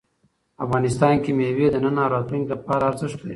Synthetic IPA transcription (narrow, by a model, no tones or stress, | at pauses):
afɣɑnɪst̪ɑnkemewed̪ənənɑɾɑt̪luŋɡlapɑɾaːɾzɪʂʈ̪d̪ḛ